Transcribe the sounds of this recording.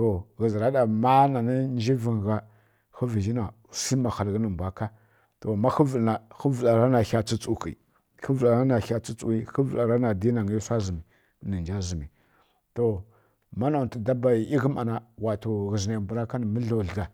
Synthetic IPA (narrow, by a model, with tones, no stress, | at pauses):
to˨ɣə˨zɾa˦ɗa˨ma˦na˨ni˦n˦d͡ʒi˦vi˨ŋ˨ɣa˦ | xə˦vi˨d͡ʒi˦na˨si˦ma˨xa˨lɣə˦nə˨bʷa˨ka˦ | to˨ma˦xə˦və˨lna˨xə˦və˨la˨ɾa˦na˨ça˦t͡si˦t͡su˨ki˨ | xə˦və˨la˨ɾa˦na˨xa˦t͡si˦t͡su˨i˦xə˦və˨la˨ɾa˦na˨di˦na˨ŋi˦i˦sʷa˦zi˨mi˨˦ | nə˨nd͡ʒa˦zi˨mi˨ | to˨ | ma˦na˨tə˨da˦ba˨i˨i˦ɣə˦ma˨na˨wa˨to˨ɣə˨zna˨mbu˨ɾa˦ka˦nə˨mə˦ɬo˨ɮɡa˨